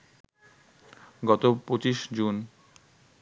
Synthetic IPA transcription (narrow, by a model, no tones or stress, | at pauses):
ɡɔt̪opɾot͡ɕiʃd͡ʑun